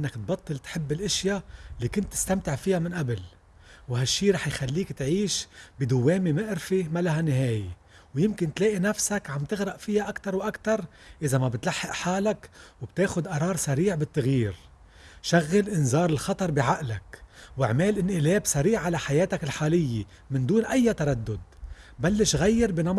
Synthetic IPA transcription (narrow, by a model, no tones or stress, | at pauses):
ʔɪnːakt̪̚bɑt̪ˤːɨlt̪ħɪbːɪlʔɪʃjalːiːkʊnt̪ːɪ̥st̪amt̪ɪʕfɪjamɪnʔabl | wɦaʃːiːɾˤɑːħjxalːiːkt̪ʕiːʃbid̪ʊwːeːmimɪʔɾfimalaɦanːɪɦeːje | wjɪmkɪnt̪leːʔinafsakʕambt̪ɪɣɾɑʔfɪjaʔakt̪ɑɾˤwʔakt̪ɑɾˤ | ʔɪzamabɪt̪laħːɪʔħaːlakwb̥̚t̪eːxʊd̪ʔɑɾˤɑːɾˤsaɾiːʕbɪt̪ːaɣjiːɾ | ʃaɣːalʔɪnzɑːɾˤɪlxɑt̪ˤɑɾˤbiʕaʔlakwɪʕmeːlʔɪnʔɪleːbsaɾiːʕʕalaħajeːt̪akɪlħaːlɪjːe | mɪnd̪uːnʔajːat̪aɾˤad̪ːʊd̪̚balːɪʃɣajːɪɾbinɑm